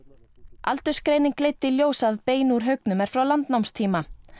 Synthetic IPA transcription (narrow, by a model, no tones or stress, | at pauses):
a̰lt̪ʏ̥skɾeːjnɪŋklejt̪ːiljoːwsaðpeːjnuɾ̥ɦœɥk̚nʏmɛɾ̥fɾawlant̪nawmst̪ʰiːma